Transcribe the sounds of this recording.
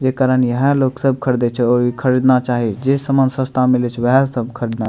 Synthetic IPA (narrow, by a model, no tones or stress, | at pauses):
d͡ʒekaɾənjəɦə̃loksəb̚kʰəɾd̪ɛt͡ʃʰɛɔɾikʰəɾid̪nat͡ʃaɦid͡ʒesəmənsə̃st̪ʰamilɛt͡ʃʰʋəɦɛ̃səb̚kʰəɾid̪na